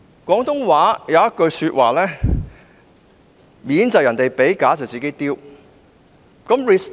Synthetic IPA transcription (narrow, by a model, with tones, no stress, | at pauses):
kʷɔː˨˥ŋt̪ʊ˥ŋwaː˨˥jɐ˨˧wjɐ˥t̚kɵ˧ɥsyː˧t̚waː˨˩lɛː˥ | miː˨˥nt͡sɐ˨˩wjɐ˨˩nt̪e˨jpe˨˥jkaː˨˥t͡sɐ˨˩wt͡siː˨ke˨˥jt̪iː˥w | kɐ˨˥mɹiː˨s